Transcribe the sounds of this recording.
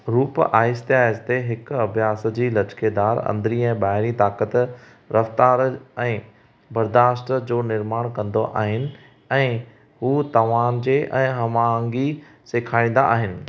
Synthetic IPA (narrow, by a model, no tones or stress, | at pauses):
ɾuːpaːɪst̪ɪɦaːɪst̪eɦɪkɐbʱijaːs̆d͡ʑiːlɐt͡ɕkʰed̪aːɾɐ̰̃nd̪ɾiɛ̃ːbaːɦɪɾit̪aːkət̪ | ɾɐft̪aːɾɛ̃ː | bɐɾd̪aːsʈd͡ʑoːnɪɾmaːɽ̃kɐ̃nd̪oʔa̰ːɦɪnɪ̆ | ɛ̃ː | ɦuːt̪ɐʋaːnd͡ʑeːʔɛ̃ːɦɐmaːŋɡi | seːkʰaːĩːn̆d̪a̰aːɦɪnɪ̆